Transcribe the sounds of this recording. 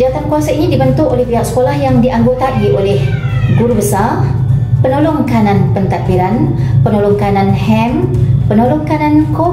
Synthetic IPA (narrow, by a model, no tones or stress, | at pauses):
d͡ʒaat̪ankuasainidibənt̪ʊʔolɛhpiɦaʔsə̥kolahjaŋdiʔaŋɡot̪abiʔolɛh | ɡuɾubəsarpənolɔŋkanãnpənt̪ak̪̚biɾanpənolɔŋkanãnhɛmpənolɔŋkanãnko